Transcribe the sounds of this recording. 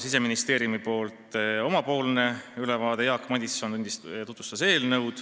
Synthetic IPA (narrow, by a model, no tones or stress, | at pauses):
sis̬e̞minist̪e̞ːɾjumipo̞ːlt̪o̞mɑpo̞ːlne̞ylevɑːd̪̥e̞jɑːkːmɑd̪ʲisːo̞nt̪unʲd̪ist̪ut̪ːvu̥st̪ɑse̞ːlnɤwd̪̥